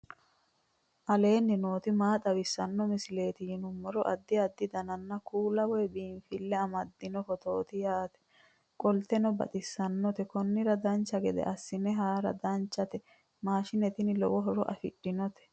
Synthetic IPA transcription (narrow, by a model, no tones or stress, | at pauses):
ʔɐle̞ːnːɪnoːt̪ɪmaːt̪ɐwɪsːɐnːɔmɪsɪle̞ːt̪ɪjɪnʊmːɔɾɔʔɐd̪ːɪɐd̪ːɪd̪ɐnɐnːɐkuːlɐwɔjbiːnfɪlːɛɐmɐd̪ːɪnɔfɔt̪o̞ːt̪ɪjaːt̪ɛ̥ | kʼɔlt̪ɛnɔbɐ̰t̪ʼɪsːɐnːɔt̪ɛkɔnːɪɾɐd̪ɐnt͡ʃːɐɡɛd̪ɛ̰ʔɐsːɪnɛɦaːɾɐ̰d̪ɐnt͡ʃːɐt̪ɛ | maːʃɪnɛt̪ɪnɪlɔ̰wɔɦɔɾɔʔɐ̰fɪ̰ɗːɪnɔt̪ɛ̥